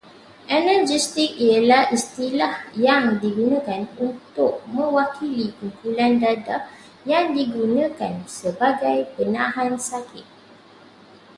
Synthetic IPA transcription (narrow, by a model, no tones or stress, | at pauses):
ʔɛnəd͡ʒist̪ik̚ialahist̪ilahjaŋdiɡunãkanunt̪ʊk̚mə̃wakilikumpulandada | jaŋdiɡunãkansəbaɡajpənãɦãnsakɪt̪̚